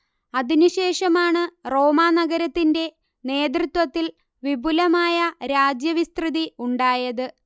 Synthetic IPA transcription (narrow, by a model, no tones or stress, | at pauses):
ɐðinuɕe̞ːʂɐmaːɳɨro̞ːmaːnɐɡɐɾɐt̪ːinde̞ | ne̞ːt̪rɨt̪wɐt̪ːil | ʋibʱulɐmaːjɐɾaːd͡ʑjɐʋist̪rɨðiuɳɖaːjɐðɨ